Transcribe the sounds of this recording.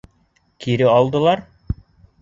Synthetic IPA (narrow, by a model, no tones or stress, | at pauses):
kiɾɘɑlˠd̪ɤ̆lˠɑɾ